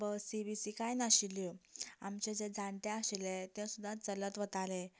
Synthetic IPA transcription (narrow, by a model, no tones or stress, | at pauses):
bəsibisikajnaɕiljɔamt͡ɕɛd͡zed͡zant̪ɛaɕilɛt̪ãsud̪ʱːat͡sələt̪ʋət̪alɛ